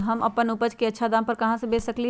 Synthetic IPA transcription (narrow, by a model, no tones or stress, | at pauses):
ɦɐmɐpənʊpəd͡ʒkeɐtːʃʰad̪ãːmpɐɾkɐɦãsebeːsɐkli